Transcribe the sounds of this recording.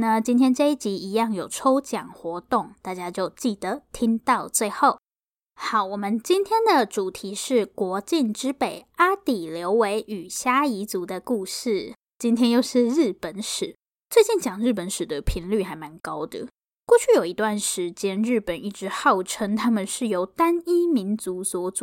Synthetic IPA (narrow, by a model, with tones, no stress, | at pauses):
na˥˨˩t͡ɕi˥nt̪ʰjɛ˥nʈ͡ʂe˥˧i˥˩t͡ɕi˧˥i˧˥jɑ˥˩ŋjo˨˩ʊʈ͡ʂʰo˥ʊt͡ɕjɑ̰˨˩ŋxwɔ˧˦t̪ʊ˥˩ŋt̪a˥˩t͡ɕja˦˥t͡ɕjo˥˧ʊt͡ɕi˥˩d̪ə˩˦t̪ʰi˦˥ŋt̪ɑ˥˧ʊt͡swe˥˧ɪxo˥˩ʊ | xɑ˨˩ʊwɔ˨˩mə˦nt͡ɕi˥nt̪ʰjɛ˥nd̪ə˨ʈ͡ʂu˨˩t̪ʰi˧˥ʂɻ̩˥˩kwɔ˧˥t͡ɕi˥˩nʈ͡ʂɻ̩˥pe˨˩ɪa˥t̪i˨˩ljo˧˦ʊwe˧˥ɪʔy˨˩ɕja˥i˧˥t͡su˨˧˥d̪ə˧ku˥˧ʂɻ̩˥˩ | t͡ɕi˥nt̪ʰjɛ˥njo˥˧ʊʂɻ̩˥˧ɻɻ̩˥˩pə˨˩˦nʂɻ̩˨˩˦ | t͡swe˥˧ɪt͡ɕi˥˩nt͡ɕjɑ˨˩ŋɻɻ̩˥˩p̬ə˨˦nʂɻ̩˨˩d̪ə˦pʰi˧˥ŋly˥˩xa˧˥ɪma˧˥nkɑ˦˥ʊd̪ə̰˨ | kwɔ˥˧t͡ɕʰy˥˩jo˨˩ʊi˧˦˥t̪wa˥˩nʂɻ̩˧˦t͡ɕjɛ˥nɻ̩˥˩pə˨˩ni˥˩ʈ͡ʂɻ̩˧˥xɑ˥˩ʊʈ͡ʂʰə˥ŋt̪ʰa˥mə˨nʂɻ̩˥˩jo˧˥ʊt̪a˥ni˥mi˧˥nt͡su˧˥swɔ˧˥˦t͡su˨˩